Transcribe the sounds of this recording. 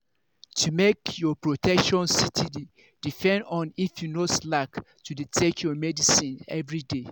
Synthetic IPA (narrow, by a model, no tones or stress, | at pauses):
tʰumekjɔpɹotʰɛkʃɔ̃nsitʰidi | d̥ipʰɛ̃ndɔ̃nifjunoslak | tuditʰekʰjɔmɛdisĩnɛvɹide